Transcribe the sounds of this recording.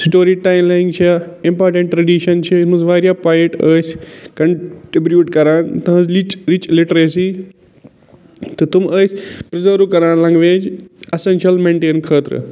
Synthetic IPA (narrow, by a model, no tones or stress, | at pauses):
sʈoːɾiːʈaːɪmlaːɪ̃ŋɡt͡ʃʰiaɪ̃mpaːɾʈɐ̃ɳʈ̚ʈːɾɐɖiːʃɐnt͡ʃʰiɪnũzʋaːɾjaːpaːiʈəːskɐɳʈɾibɾjuːʈkɐɾaːnt̪ɐ̃zlit͡ʃɾit͡ʃlɪʈɾeːsi | t̪ɐt̪uməːspɾɪzəːɾukɐɾaːnlɐ̃ŋɡʋẽːd͡ʒɐsenʃɐlmẽːɳʈeːnkʰɐːt̪ɾ̰